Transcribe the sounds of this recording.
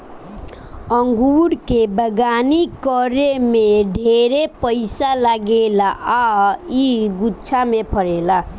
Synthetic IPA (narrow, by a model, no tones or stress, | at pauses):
ʌŋɡuɽkebəɡanikʌɾemeɖʱeɾepʌjsalaɡelaʔaiɡut͡sʰamepʰʌɾela